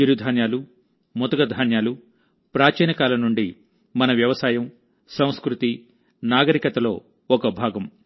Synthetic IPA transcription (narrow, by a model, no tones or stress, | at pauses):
iɾud̪ʱaːnjaːlu | mɔt̪ɐɡɐd̪ʱaːnjaːlu | pɾaːt͡ʃɛːnɐkaːlɐnuɳɖi | mɐnɐʋjɐʋɐsaːjɐm | sɐ̃w̃skɾut̪i | naːɡɐɾikɐt̪ɐlo̞ː | ɔkɐbʱaːɡɐm